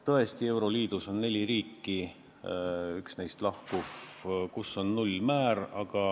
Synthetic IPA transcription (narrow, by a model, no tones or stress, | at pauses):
t̪ɤ̞e̞st̪ie̞wɾo̞liːd̪̥uso̞nne̞lʲiɾiːkːi | yksne̞jst̪lɑhkufkusːo̞nnulʲːmæːɾɑɡ̥ɑ